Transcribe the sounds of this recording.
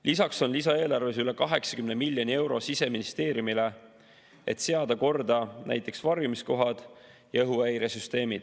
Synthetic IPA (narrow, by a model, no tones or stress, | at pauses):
lisɑkso̞nlis̬ɑe̞ːlɑrve̞s̬yle̞kɑɦe̞ksɑ̥kymnemilʲjonie̞wɾo̞sise̞minist̪e̞ːɾjumile̞ | e̞̰t̪se̞ɑd̪ɑko̞rd̪̥ɑnæ̰jt̪ːˑe̞ksvɑrjumisko̞ɦɑd̪̥ | jɑɤɦuæjɾesyst̪e̞ːmid̪̥